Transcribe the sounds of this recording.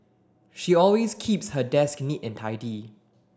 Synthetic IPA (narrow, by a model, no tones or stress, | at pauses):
ʃiɔlweskʰipshədɛsknitɛ̃ntʰaɪdi